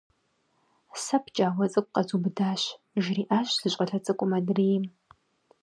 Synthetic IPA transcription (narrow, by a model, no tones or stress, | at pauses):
sɐpʰt͡ʃʼaːwɐt͡sʼɨkʷʼqɐzubɨdaːɕ | ʒriːʔaːɕʷz̥ɨɕʷʼɐɬɐt͡sʼɨkʷʼʊmɐdriːjm